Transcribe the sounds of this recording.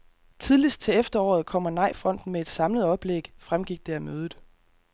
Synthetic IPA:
t͡sʰiðˠlisd̥̚t͡sʰe̝efd̥ɐɒ̰ːð̞̩ˠkʰɒ̽m̰ɐnɑ̈ɪ̰fʁɒ̽n̰d̥n̩meed̥sɑ̈mləð̞̩ˠɒ̽b̥leɡ̥fʁamɡ̥iɡ̥̚d̥e̝æmøːð̩ˠ

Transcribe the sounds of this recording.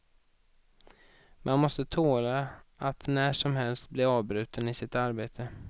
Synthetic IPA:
mʔanmɔst̪ət̪ʰoːlaat̪næːʂɔmhɛlst̪̚blɪɾɑːvbɾʉ̟ːt̪ənɪsɪt̪aɾbeːt̪ʰə

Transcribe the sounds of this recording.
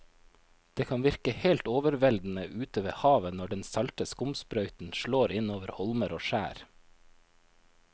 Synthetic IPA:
d̪̥eːkʰɑnʋɪɾkəheːlt̪oːʋəɾʋɛld̪n̩əʔʉːt̪əʋḛːhɑːʋənɔɖɛnsɑlt̪əskʊmspɾœʏt̪n̩ʃɭoːɾɪnoːʋəɾhɔlməɾoːʃæ̰ːɾ

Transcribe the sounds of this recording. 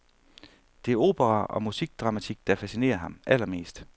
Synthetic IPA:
d̥e̝æɐo̝̰ːb̥ʰəʁɑʔɒ̽musiɡ̥̚d̥ʁɑ̈mæt͡sʰiɡ̥̚d̥ɑ̈fæsine̝̰ːɐɦɑ̈mʔælɐme̝̰ːsd̥

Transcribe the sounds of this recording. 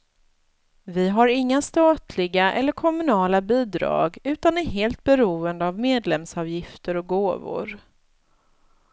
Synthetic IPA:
vɪɦaɾɪŋːast̪ɑːt̪ʰlɪɡaʔɛ̰lːəɾkʰɔmɵnɑːlabiːd̪ɾɑ̰ːɡʉ̟ːt̪anæɾɦeːlt̪̚bɛɾuːənd̪əavmeːd̪lɛmsɑːvjɪft̪əɾɔk̚ɡoːvʊ̰ɾ

